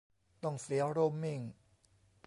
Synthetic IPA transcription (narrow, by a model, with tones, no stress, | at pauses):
t̪ɔ˥˩ŋsi˨˦ə˦ɾo˧˥˩mːi˥˧˩ŋ